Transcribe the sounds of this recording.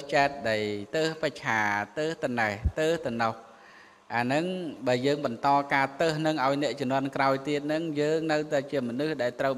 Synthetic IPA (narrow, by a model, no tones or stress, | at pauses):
t͡ɕaɛt̪̚ɗəjt̪əːhpəc̚t͡ɕʰaːt̪əːht̪ɨnəht̪əːht̪ɨnɑh | ʔaːnɨŋɓaəjəːŋɓɑnt̪ɑːkaːt̪əːhnɨŋʔaɔjnɛ̆əʔt͡ɕʊmnŏənkraɔjt̪iət̪̚nɨŋjəːŋnɨwt̪aɛt͡ɕiəmɔnɨhɗaɛlt̪rəw